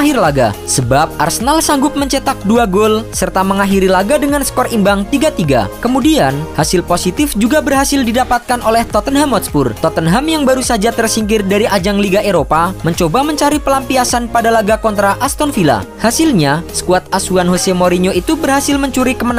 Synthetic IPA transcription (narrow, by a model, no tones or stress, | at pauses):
ɦirlaɡa̰səbap̚a̰rsənalsaŋɡʊp̚məɲt͡ʃət̪ak̚duaɡolsərt̪aməŋaɦiɾilaɡadəŋansə̥kɔrimbaŋt̪iɡat̪iɡa̰kəmudianhasɪlposit̪ɪfd͡ʒuɡabərɦasɪldidapat̪̚kanolɛht̪ɔt̪ənɦamɔt̪spʊrt̪ɔt̪ənɦamjaŋbaɾusad͡ʒat̪ərsiŋkɪrdaɾiʔad͡ʒaŋliɡaʔeɾopaməɲt͡ʃobaməɲt͡ʃaɾipəlampiasanpadalaɡakɔnt̪ɾaʔast̪ɔnfila̰hasɪlɲasə̥kuat̪̚asuanɦosemoɾiɲoit̪ubərɦasɪlməɲt͡ʃuɾikəmən